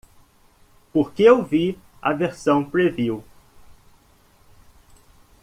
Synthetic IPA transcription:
poɾkeewvi | ɐ̰veɾsɐ̃w̃pɾeviw

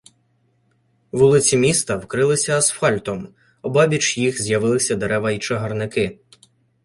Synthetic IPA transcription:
ʋulˠɪt͡sʲimʲist̪ɐwkɾɪlˠɪsʲɐːsfɑlʲt̪ɔm | ɔbɑbʲit͡ʃjixzʲjɐʋɪlˠɪsʲɐd̪eɾɛʋɐit͡ʃeɦɐrnɪkɪ

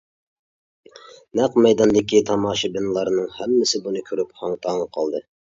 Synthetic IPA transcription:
næqmɛjd̪ɑnd̪ɪkʲit̪ʰɑmɑːʃɨbɪnɨlˠɑɾnɨŋhɛmːɪsɪbunɨkʲʰøɾyphɑŋt̪ʰɑŋɑqʰɑlˠd̪ɨ

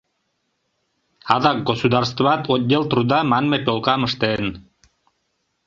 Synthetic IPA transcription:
ɑðɑk̚ɡosud̪ɑrst̪̆ɑt̪ot̪̚ʲd̪ʲelˠt̪ɾud̪ɑmɑnmepʲolˠkɑmɤ̆ʃt̪en

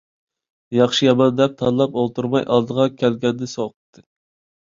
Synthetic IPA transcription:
jɑχʃijɑmɑnd̪ɛp̚t̪ʰɑnlˠɑpolˠt̪ʰuɾmɑjʔɑ̰lˠd̪əʁɑkʲʰɛlɡʲɛnd̪ɪsoqə̥t̪ʰːɨ

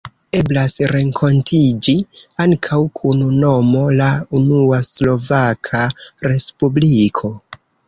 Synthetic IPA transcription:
e̞blasɾe̞ŋkʰo̞ntʰid͡ʒiaŋkʰawkʰununo̞mo̞launuaslo̞vakʰaɾe̞spublikʰo̞

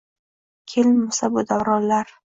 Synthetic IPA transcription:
kʲʰelmʊsabʊd̪aɾɒllaɾ

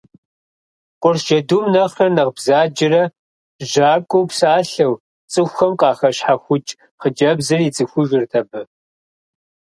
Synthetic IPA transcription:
qʷʊrʒ̥ɐdumnɐχɐnɐʁbzaːd͡ʒɪrɐ | ʒaːkʷʼowpsaːɬɐw | t͡sʼɨxʷxɐmqʼɑːχɐɕħaxʷʊt͡ʃʼ | χəd͡ʒɐbzɨrit͡sʼɨxʷʊʒɪrtʰɐbɐ

